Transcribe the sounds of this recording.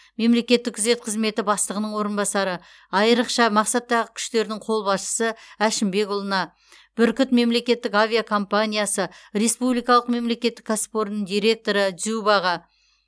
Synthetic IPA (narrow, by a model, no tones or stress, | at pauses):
me̞mle̞kʲe̞t̪ːɪkʰʏze̞t̪̚qʰəzme̞t̪ɪbɑst̪ləʁənəɴwo̞ɾənbɑsɑɾə | ɑjəɾəqʃɑmɑqsɑt̪ːɑʁəkʲʰʏ̥ʃt̪e̞ɾɪnɪŋɴqʰo̞lˠbɑsʃə̥səæʃɪmbe̞kʊlˠənɑ | b̥ʏɾkʲʏt̪me̞mle̞kʲe̞t̪ːɪkavʲijakʰo̞mpanʲijasəɾe̞spublijkɑlˠəq̚me̞mle̞kʲe̞t̪ːɪkːaspo̞ɾnəɴd̪ijɾe̞k̚t̪o̞ɾəd̪zubɑʁɑ